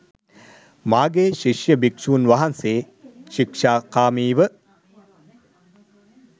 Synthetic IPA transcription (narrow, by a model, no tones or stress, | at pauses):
maːɡeːʃiʂjəbikʃuːnʋaɦanseː | ʃikʂaːkaːmiːʋə